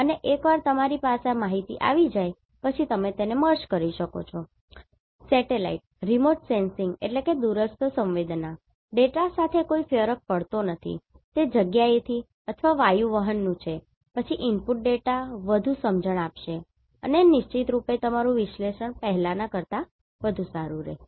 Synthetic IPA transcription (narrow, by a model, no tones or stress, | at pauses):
əneʔekʋaɾt̪əmaɾipasamaɦit̪ḭʔa̰ʋid͡ʒaj | pət͡ʃʰit̪əmet̪eneməɾt͡ʃkəɾiʃəko̰t͡ʃʰo | sɛʈela̰iʈ̚ɾimoʈsensiŋɡḛʈleked̪uɾəst̪əsə̃mʋed̪na | ɖeʈasat̪ʰekoifjəɾək̚pəɭt̪onət̪ʰḭ | t̪ed͡ʒəɡjaet̪ʰi | ət̪ʰʋaʋajuʋəɦənːũt͡ʃʰe | pət͡ʃʰiʔimpuʈ̚ɖeʈaʋəd̪ʱusəmd͡ʒəɳ̃apʃe | ə̰nenɪʃt͡ʃit̪ɾupet̪əmaɾũʋɪʃleʃəɳpəɦlanakəɾt̪a | ʋəd̪ʱusaɾuɾḛ